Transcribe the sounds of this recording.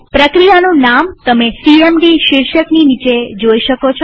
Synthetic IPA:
pɾəkɾijanũnamt̪əmesiemɖiʃiɾʃəkninit͡ʃed͡ʒoiʃəkot͡ʃʰo

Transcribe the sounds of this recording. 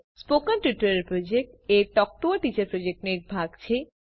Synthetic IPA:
spokanʈuʈaɾeɾpɾod͡ʑek̚ʈeɾʈɔk̚ʈ̪oaʈit͡ɕaɾpɾod͡ʑek̚ʈneɡ̚bʱaɡt͡ɕʰe

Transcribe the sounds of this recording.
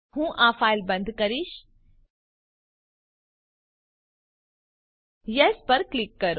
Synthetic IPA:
ɦũːʔãːfaːɪlbɐ̃nd̪ʱkɐɾiʃ | jɛspɐɾklikːɐɾ

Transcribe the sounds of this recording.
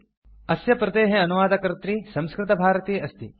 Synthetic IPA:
ɐsjɐpɾɐd̪eːɦeɐnuʋaːd̪ʱɐkɐɾɐt̪ɾisɐ̃mskɾɪt̪ɐbʱaːɾɐt̪iːɐst̪ḭ

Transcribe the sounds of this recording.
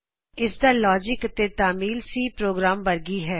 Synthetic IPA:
ɪsd̪aːlɔːd͡ʒɪkt̪eːt̪aːmiːlsiːpɾoːɡɾaːmbəɾɡiːɦɛː

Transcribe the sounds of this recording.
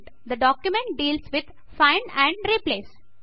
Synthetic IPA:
ʈ | d̪əɖɔːkjʊmẽɳʈ̚ɖiːlsʋɪd̪ | fãɪ̃næ̃ɳɖɾipleːs

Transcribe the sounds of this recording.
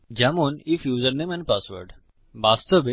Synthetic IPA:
d͡ʒamunifjuːzəɾnemɛ̃npaːsʋə̰ɾɖ | baːst̪əbe

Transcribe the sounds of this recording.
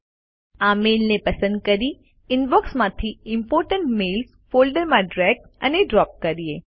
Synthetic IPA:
aːmeːlnepɐsə̃nd̪̚kɐɾi | ɪnboksmãt̪ʰiɪmpoːɾʈə̃ɳʈmeːls | foːlɖəɾmãɖɾɛːɡ̚ʈə̰neɖɾɔːp̚kɐɾijeː

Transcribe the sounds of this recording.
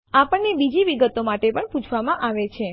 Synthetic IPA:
apəɳnebid͡ʒiʋiɡət̪omaʈepəɳpũt͡ʃʰʋamãʔaʋet͡ʃʰe

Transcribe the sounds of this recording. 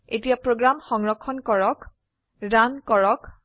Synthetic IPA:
etijapɹoɡɹamxɔŋɹɔkʰːɔnkɔɹɔk | ɹankɔɹɔk

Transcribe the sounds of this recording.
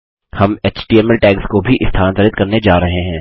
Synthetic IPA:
hɐmeːt͡ʃʈiːɛmɛlʈɛːkskobʱiʔɪst̪ʰaːnt̪əɾɪt̪kɐɾned͡ʒaːɾɐɦeɦɛ̃ː

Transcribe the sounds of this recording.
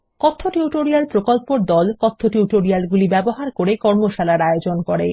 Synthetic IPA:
kɔt̪ʰːoʈiuuʈoɾialpɾokolpoɾd̪ɔlkɔt̪ʰːoʈiuʈoɾialɡulibɛboɦaɾkoɾekɔɾmoʃalaɾaeod͡ʑonkɔɾe

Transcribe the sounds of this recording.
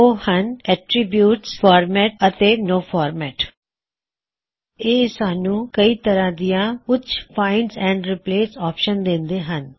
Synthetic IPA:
oːhənɛːʈɾibjuːʈsfʰaːɾmɛːʈ̚ət̪eːnoːpʰɔːɾmɛːʈ | eːsaːnũːkəiːt̪əɾãːd̪ɪjãːʊt͡ʃʰpʰaːɪɳɖsɛ̃ːɳɖɾɪpleːsɔːpʃənd̪ɪ̃nd̪eːɦən

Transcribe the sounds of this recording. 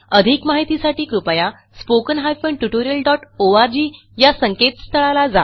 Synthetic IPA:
əd̪ʱikmaɦit̪isaʈiːkɾupəja | spokənɦajfəɳʈuʈoɾijəlɖɔʈoaɾd͡ʑiː | jasəŋket̪st̪ʰəɭalad͡za

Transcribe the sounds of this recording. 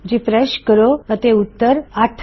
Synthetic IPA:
d͡ʑifɾɛʃkəɾoʋət̪eut̪ːəɾaʈʰ

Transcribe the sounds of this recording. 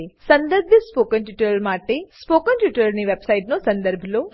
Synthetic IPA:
sɐnd̪əɾbʱəspoːkənʈjuʈəlmaːʈespoːkənʈjuʈəɾniʋebsaiʈnosɐ̃nd̪əɾbʱlo

